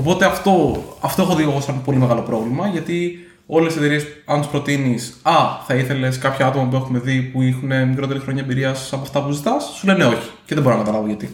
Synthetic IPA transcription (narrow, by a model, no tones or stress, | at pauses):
o̞po̞t̪e̞ɐft̪o̞ɐft̪o̞e̞xo̞ðioɣosɐppo̞limeɣɐlo̞pɾo̞vlimɐʝɐt̪i | o̞leset̪eɾiesɐnt̪uspɾo̞t̪inisɐθɐiθe̞le̞skɐpçɐɐt̪omɐp̬ue̞xume̞ðipuixune̞mikɾo̞t̪e̞ɾixɾo̞ɲaɐebiɾiɐsɐpoɐft̪ɐpuzit̪ɐsːule̞ne̞o̞çi̥ceðebo̞ɾonɐkɐt̪ɐlɐvoʝɐt̪i